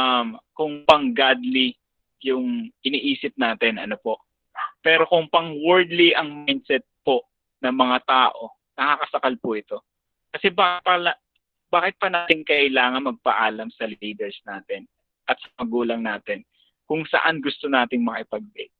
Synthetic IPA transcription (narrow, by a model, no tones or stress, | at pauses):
amkʊŋpɐŋɡad̪li | jʊŋʔɪniʔiːsɪp̚naːt̪ɪnʔɐ̰nopo̞ʔ | pɛːɾo̞kʊŋpɐŋwɛɹd̪liʔɐŋmajnd̪sɛt̪̚po̞ʔ | nɐmɐŋat̪aːʔo̞ | nɐkaːkɐsɐkalpʊʔɪt̪o̞ | kɐsɛbaːkɪpɐlɐ | baːkɪt̪̚pɐnaːt̪ɪŋkɐʔɪlaːŋɐnmɐɡ̚pɐʔaːlɐmsɐliːd̪ɛɹsnaːt̪ɪn | ʔɐt̪sɐ̥mɐɡuːlɐŋnaːt̪ɪn | kʊŋsɐ̰ʔanɡʊst̪o̞naːt̪ɪŋmɐʔɪpɐɡ̚bɛt̪̚